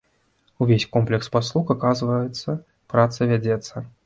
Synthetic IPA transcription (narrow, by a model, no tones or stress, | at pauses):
uvʲesʲkɔmplʲɛkspaslˠuxakazvɐjɛt̪sːɐ | pɾat̪sɐvʲad͡zʲɛt̪sːɐ